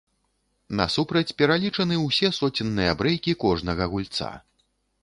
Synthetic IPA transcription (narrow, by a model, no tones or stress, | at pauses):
nɐ̰supɾɐt͡sʲpʲɛɾalʲit͡ʂɐnɨwsʲɛsɔt͡sʲinːɨjɐbɾɛjkʲikɔʐnɐɣɐɣulʲt̪sa̰